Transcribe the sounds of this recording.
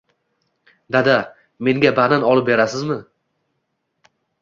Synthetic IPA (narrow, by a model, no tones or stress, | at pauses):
d̪ad̪a | me̞ŋɡʲabananɒlˠɪp̚be̞ɾasɪzmɪ